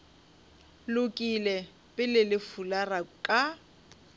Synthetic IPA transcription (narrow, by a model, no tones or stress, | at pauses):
lʊkʼilɛ | pʼɪlɪlɪfularakʼa